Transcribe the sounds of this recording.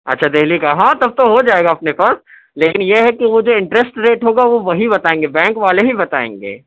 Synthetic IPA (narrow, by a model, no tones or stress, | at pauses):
ɐ̰tːʃʰad̪eɦlikaɦãt̪ɐb̚t̪oɦod͡ʒaːeːɡaɐpnefɐɾs | leːkɪnjeɦɛkiʋod͡ʒoːɪ̃ɳʈɾɛsʈɾeːʈɦoːɡaʋoʋɐɦibɐt̪aːẽːŋɡebɛ̃ːŋkʋaːleɦibɐt̪a̰ːḛ̃ːŋɡḛː